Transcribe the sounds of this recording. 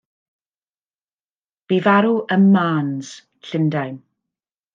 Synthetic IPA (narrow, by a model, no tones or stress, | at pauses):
b̥ivaɾuʔəmmaːnz̥ | ɬɪndajn